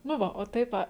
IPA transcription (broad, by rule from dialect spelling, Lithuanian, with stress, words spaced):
nʊ ˈʋɐ oː ˈtɐɪp ˈɐ